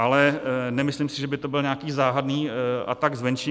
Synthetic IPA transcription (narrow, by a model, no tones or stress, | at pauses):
ʔalɛnɛmɪslimsɪʒɛbɪt̪o̞bɪlɲɛakiːzaːɦadniːʔa̰t̪aɡzvɛnʃɛ